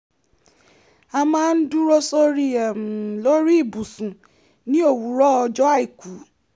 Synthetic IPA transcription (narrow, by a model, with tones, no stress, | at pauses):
a˧mãː˦n̩˦du˦ɾo˦so˦ɾi˦ɛ˨mũ˨˦lo˦ɾi˦i˦˨bu˨sũ˨ | nĩ˦o˦˨wu˨˦ɾɔ˦ɔ˧d͡ʒɔ˦a˦˨i˨ku˨˦